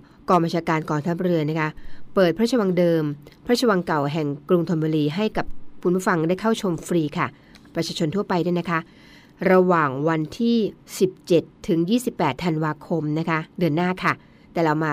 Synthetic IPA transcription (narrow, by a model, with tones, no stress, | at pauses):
kɔː˧ŋba˧nt͡ɕʰaː˧kaː˧nkɔː˧˩ŋt̪ʰa˦˥p̚ɾɯ˧n˦˥kʰa˦˥pɤː˨˩t̪̚pʰa˦˥˩t͡ɕʰːa˧wa˧ŋdɤː˧mpʰa˧˦˥t͡ɕʰːa˧wa˧ŋka˨˩wɦɛ˨˩ŋkɾu˧ŋt̪ʰo˧nbuː˧ɾiː˧ɦa˥˩jka˨˩p̚kʰu˧npu˦˥˩fa˧ŋdaː˥˩jkʰa˥˩wt͡ɕʰo˧mfɾiː˧kʰa˥˩ | pɾa˧˥t͡ɕʰaː˧t͡ɕʰo˧nt̪ʰu˥˩ɐpa˧jdu˥˩na˦˥kʰa˦˥ʔ | ɾa˧waː˨˩ŋwa˧nt̪ʰiː˥˩si˨˩p̚t͡ɕe˨˩t̪ʰːɯ˩˦ŋjiː˥˩si˨˩pːɛː˨˩t̪ʰːa˧nwaː˧kʰo˧mna˦˥kʰa˦˥dɯ˧ənːaː˥˩kʰa˥˩ | t̪ɛː˨˩ɾa˧wmaː˧